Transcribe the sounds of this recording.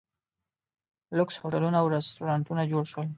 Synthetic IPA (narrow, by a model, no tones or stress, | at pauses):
lʊkshoʈalunaːwɾest̪uɾɑnt̪unad͡ʒoɽʃwəl